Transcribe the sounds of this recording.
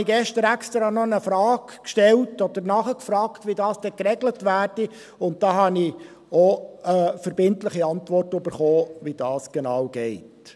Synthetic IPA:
iɡɛʃtəɾækstɾɑnɔnəfɾɑːɡkʃtɛltɔd̥̪əɾnɑχəkfɾɑːktʋidɑːsd̥ɛkrɛɡlətʋæːrd̥i | ʊnt̚d̥ɑːɦɑni | ɔəfəɾbɪntlɪχiɑntʋɔrtʉbəɾχoːʋid̥ɑːsɡ̥enɑːwɡɛɪt

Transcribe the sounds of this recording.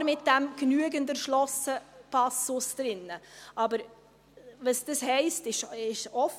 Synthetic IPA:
ɾmɪt̚d̥ɛmɡ̥nyəɡəndənʃlɔsəpʰɑsʊsd̥ɾɪnːəʔɑbəɾ | vəsd̥əshɛɪstɪʃɪʃɔf

